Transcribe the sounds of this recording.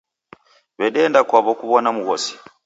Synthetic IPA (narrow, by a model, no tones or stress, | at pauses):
βɛɗɛndakwaβɔkuβɔnamuɣɔsi̥